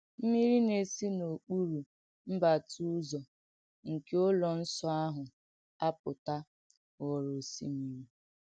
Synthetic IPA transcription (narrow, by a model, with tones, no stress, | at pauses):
m̩˦mi˦ɾi˦ne˨si˦no˨k͡pu˦ɾu˨ | m̩˦ba˨tu˦zɔ˨ | ŋ̩˨ke˦o˦lɔ˨n̩˦sɔ˦a˦ɦʊ˨ | a˦pʊ˨ta˦ | ɣɔ˨ɾo˨sḭ˦mi˨ɾi˦